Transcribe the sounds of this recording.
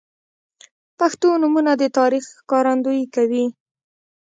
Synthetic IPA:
paxt̪onumunad̪ət̪ɑɾixkɑɾand̪ojkawi

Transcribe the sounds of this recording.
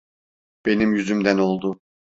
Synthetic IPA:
b̥e̞nimjyzymd̪æno̞lˠd̪ʊ

